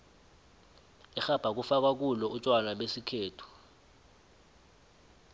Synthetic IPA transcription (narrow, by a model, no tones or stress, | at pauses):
ɛxab̥ʱak̬ufak̬ak̬ulɔut͡ʃʼwanaɓesikʰeːtʰu̥